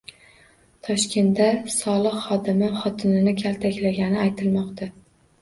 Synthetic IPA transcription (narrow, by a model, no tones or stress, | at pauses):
t̪ʰɒʃkʲʰe̞nt̪d̪asɒlˠɨqχɒd̪ɪmɪχɒt̪ʰɪnɪnɪkʲʰalt̪ʰakʲlaɡʲanɪajt̪ʰɪlmɒqt̪ʰa